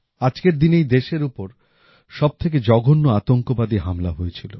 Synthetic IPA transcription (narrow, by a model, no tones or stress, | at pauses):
ad͡ʑkeɾd̪inejd̪eʃeɾupoɾ | ʃɔb̚t̪ʰek̬ed͡ʑɔɡʱonːoat̪oŋkobad̪iɦamlaɦojet͡ɕʰilo